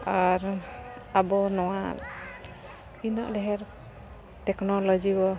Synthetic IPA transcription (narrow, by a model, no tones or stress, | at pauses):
aɾabɔnɔwan | inɔʔdɛɦɛɾ | tɛknɔlɔd͡ʒibɔ